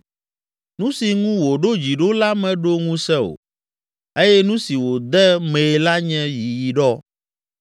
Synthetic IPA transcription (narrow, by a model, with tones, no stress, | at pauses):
nũ˦si˨ŋũ˦wo˨ɖo˦d͡ʑi˨ɖo˦la˦mɛ̃˨ɖo˦ŋũ˦sɛ˦o̰˨ | e˦jɛ˦nũ˦si˨wo˨d̪ɛ˦me˨e˨la˦ɲɛ̃˦ji˨ji˨ɖɔ˦